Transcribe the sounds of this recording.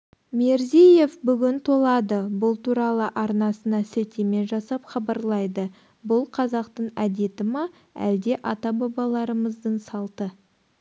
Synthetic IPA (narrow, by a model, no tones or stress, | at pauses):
meɾzije̞fbʏɡʲɪnt̪ʰo̞lˠɑd̪əbʊlˠt̪ʰuɾɑlˠəʔɑɾnɑsənɑsɪlt̪eme̞nʒɑsɑpχɑbɑɾlˠɑjd̪ə | bʊlˠqʰɑzɑqt̪əɴæd̪e̞t̪ɪmɑ | æ̰ld̪e̞ʔɑt̪ɑbɑbɑlˠɑɾəməzd̪əɴsɑlˠt̪ə